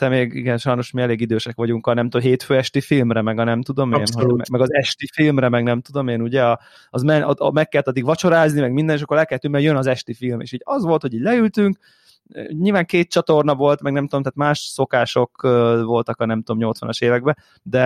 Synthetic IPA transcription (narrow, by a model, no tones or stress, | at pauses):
t̪ɛmeːɡḭɡɛnʃɒjno̞ʃmiɛleːɡid̪øːʃɛkʋɒɟuŋkɒnɛmt̪omɦeːt̪føːɛʃt̪ifilmrɛmɛɡɒnɛmt̪ud̪o̞meːnɦomɛmɛɡɒzɛʃt̪ifilmrɛmɛɡnɛmt̪ud̪o̞meːnuɟɛɒ | ɒzmɛnmɛkːɛlːɛt̪ɒd̪ikʋɒt͡ʃo̞ɾaːznimɛɡmind̪ɛniʃ̬ɒkːoɾɛlkɛlɛt̪yŋkmɛɾjønɒzɛʃt̪ifilmḛːʃiːɟɒzʋo̞lt̪ho̞ɟiːɟlɛylt̪yŋk | ɲiːlvaːŋkeːt̪̚t͡ʃɒt̪o̞rnɒvo̞lt̪mɛɡnɛmt̪uo̞mt̪aːt̪maːʃso̞kaːʃo̞kːvo̞lt̪ɒkɒnɛmt̪uo̞mɲo̞lt̪sʋɒ̰nɒʃeːvɛɡ̚bɛ | d̪ɛ